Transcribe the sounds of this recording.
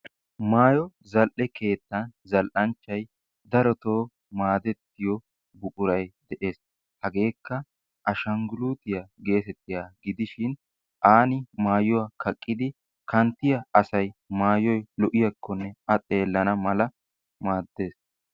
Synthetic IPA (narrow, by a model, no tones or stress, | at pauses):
maːjɔ | zɐlʔɛke̞ːt̪ːɐnzɐlʔɐnt͡ʃːɐj | d̪ɐɾɔt̪oː | maːd̪ɛt̪ːɪjɔ | bʊʔʼʊɾɐjd̪ɛʔe̞ːs | hɐɡe̞ːkːɐ | ʔɐʃɐŋɡʊluːt̪ɪjɐɡe̞ːsɛt̪ːɪjaːɡɪd̪ɪʃɪn | ʔaːnɪmaːjʊwakʰɐkʼːɪd̪ɪ | kɐnt̪ːɪjɐɐsɐjmaːjɔjlɔʔɪjɐkʰːɔnːɛɐt̪ʼe̞ːlːɐnɐmɐlɐ | maːd̪ːe̞ːs